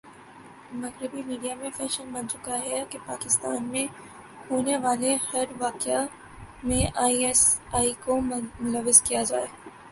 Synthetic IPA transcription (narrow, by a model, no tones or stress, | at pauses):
mɐɣɾɪbimiːɖijamẽfɛːʃənbɐ̃nt͡ʃʊkaɦɛkepaːkɪst̪aːnmẽ | hoːneʋaːlehɐɾʋaːkja | mẽʔaːiɛsaːikomʊləʋːɪzkijad͡ʒaːeː